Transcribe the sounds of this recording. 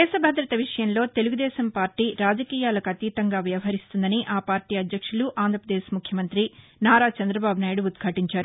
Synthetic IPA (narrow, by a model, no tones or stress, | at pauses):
ɛːʃɐbʱɐd̪ɾɐt̪ɐʋiʂɐjɐnlo̞ːt̪e̞luɡud̪ɛːʃɐmpaːɾʈiːɾaːd͡ʒɐkiːjaːlɐkɐt̪iːt̪ɐŋɡaːʋjɐʋɐɦɐɾist̪und̪ɐniʔaːpaːɾʈiːɐd̪jɐkʂuluʔaːnd̪ɾɐpɾɐd̪eːʃmukʰjɐmɐnt̪ɾi | naːɾaːt͡ʃɐnd̪ɾɐbaːbʱunaːjiɽuːd̪ɡʰʱaːʈiɲt͡ʃaːɾu